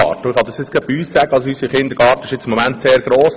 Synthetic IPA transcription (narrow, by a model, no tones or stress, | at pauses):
ɑ̰ːtəoɪχɑd̪ɑsjɪt͡sɡ̥ɛb̥iyːssæɡəɑlsoysiχɪnd̪əɾɡ̥ɑːtəɪʃjɪt͡sɪmɔmæntseːɾɡ̥ɾoːs